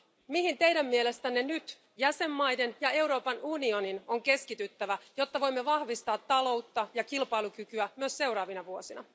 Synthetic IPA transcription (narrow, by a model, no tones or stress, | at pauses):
mihint̪e̞jdæmːiele̞st̪ænːenyt̪ | jæse̞mːɑjde̞njɑe̞wɾo̞ːpɑnunio̞nino̞ŋke̞skit̪yt̪ːæʋæjo̞t̪ːɑʋo̞imːeʋɑhʋist̪ɑːt̪ːɑlo̞ut̪ːɑjɑkilpɑilukykyæmyøsse̞wɾɑːʋinɑʋuo̞sinɑ̰